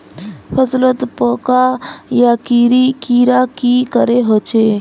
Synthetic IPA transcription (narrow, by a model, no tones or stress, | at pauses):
fʰəzlət̪poːkajakiːɾikiːɾakikəɾeɦoːt͡ʃe